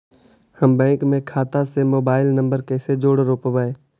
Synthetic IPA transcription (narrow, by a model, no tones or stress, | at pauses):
həmbɛ̃ːŋkmẽkʰaːt̪asemoːbaːɪlnə̃mbəɾkɛːsed͡ʒoːɽɾoːpʋəeː